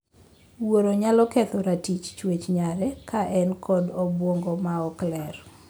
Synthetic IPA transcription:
woɾoɲalɔkɛt̪ɔɾatit͡ʃt͡ʃwet͡ʃɲaɾɛkaʔɛnkʰɔdobwoŋɡɔmaɔklɛr

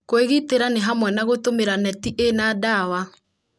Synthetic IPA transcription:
koeɣiteɾaneɦamwɛnaɣotomeɾanɛtiʔenaːdawa

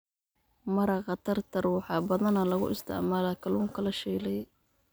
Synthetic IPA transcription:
mɐɾɐqɑt̪ʰɐrt̪ʰɐrwɑħɑːbɐðɐnɐlɐɣʊ̰ʔɪst̪ʰɪ̰ʕmaːlɐkʰɐluːŋkʰɐlɐʃɛːlɛj

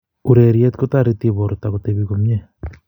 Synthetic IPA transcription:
uɾeɾjet̪kot̪aɾit̪iβoɾot̪aɣot̪eβiɣomɲe

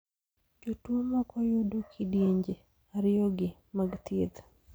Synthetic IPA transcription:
d͡ʒotwomakɔjodokʰidjeɲd͡ʒe | aɾɪjɔɡɪ | maɡt̪jed̪

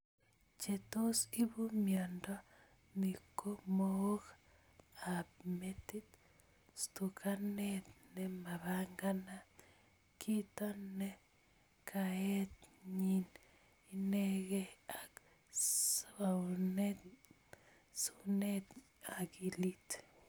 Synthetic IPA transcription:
t͡ʃet̪osiβumjandɔ | nikomok | apmet̪it̪ | st̪ukʰanet̪̚nɛmaβaŋɡana | kʰit̪ɔne | kʰaet̪ɲin | ineɣea | sane | sunet | akilit

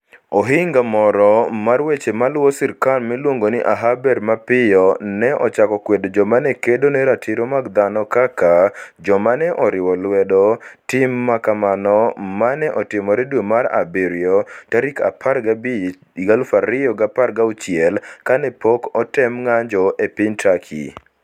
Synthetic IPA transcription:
ɔɦɪŋɡamɔɾɔmarwet͡ʃemalwɔsɪɾkanmɛlwoŋɡonɪʔa̰ɦabɛrmapɪjɔnɛʔɔt͡ʃakɔkwedod͡ʒɔmanɛkedonɛɾatʰɪɾomaɡd̪anɔkakad͡ʒɔmanɛʔɔɾɪwɔlwɛdɔtɪmːakamanɔmanɛʔɔtɪmɔɾɛdwemaɾa̰biɾjɔtaɾika̰pʰaɾɡabi | ɡalfaɾɪjɔɡaparɡaut͡ʃɪɛlkanɛpɔkɔtɛmŋaɲd͡ʒɔepɪɲtakʰḭ

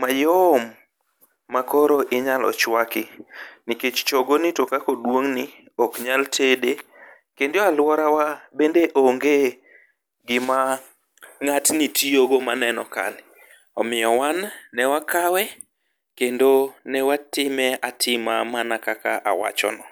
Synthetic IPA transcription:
majomː | akoɾoʔɪɲalɔ̰t͡ʃwakɪniket͡ʃt͡ʃoɡonitokakɔdwoŋni | ɔkɲaltʰede | kendoalwɔɾawabendeʔoŋɡe | ɡɪma | ŋatnitʰioɡomanɛnɔka̰lɪ | ɔmɪjɔwannɛwakawɛ | kendonɛwatɪmɛatʰɪmamanakaka̰ʔa̰wa̰t͡ʃɔ̰nɔ

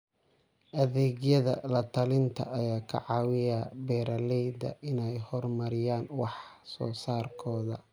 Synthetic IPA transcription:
ʔɐðɛːɣjɐðɐ̰lɐt̪ʰɐlɪnt̪ʰɐ̰ʔɐjaːkʰɐ̰ʕɑːwɪjabɛːɾɐlɛjd̪ɐ̰ʔɪnɛjhɔrmɐɾɪjaːnwɑħsɔ̰ːsaːrkʰɔːðɐ

